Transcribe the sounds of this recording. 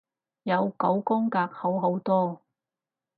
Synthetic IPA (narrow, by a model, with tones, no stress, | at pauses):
jɐ˨˧wko˨˥wkʊ˥ŋkaː˧k̚ho˨˥wɦo˨˥wt̪ɔː˥